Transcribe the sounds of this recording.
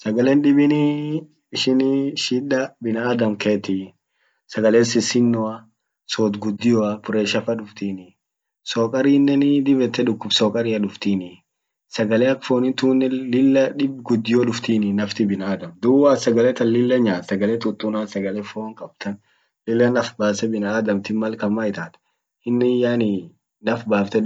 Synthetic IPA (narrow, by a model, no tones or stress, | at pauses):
sɐɡɐlɛnᶑɪbɪnɪ | ɪʃɪnʃɪᶑɐbɪnaːd̪ɐmkʰeːt̪ɪ | sɐɡɐlesɪsɪnːɔɐ | soːt̪ɡʊd̪ːɪjɔɐpʊɾɛʃɐfɐᶑʊft̪iːnɪ | soːkʼɐɾiːnːɛnɪd̪ɪbɛt̪ːɛᶑʊkːʊfsoːkʼɐɾɪɐᶑʊft̪iːnɪ | sɐɡɐleɐkfoːnɪnt̪uːnːɛlɪlːɐᶑɪbɡʊd̪ːɪjoᶑʊft̪iːnɪnːɐft̪ɪbɪnaːd̪ɐmd̪ʊwasɐɡɐlɛt̪ɐlɪlːɐɲaːt̪sɐɡɐlɛt̪ʊt̪ʼːunaːnsɐɡɐlɛfoːŋkʼɐb̥̚t̪ʰɐn | lɪlːɐnɐfbaːsɛbɪnaːd̪ɐmt̪ɪmːɐlkɐmːaːɪt̪aːt̪ | ɪnːɪjaːnɪ | nɐfbaːft̪ɛ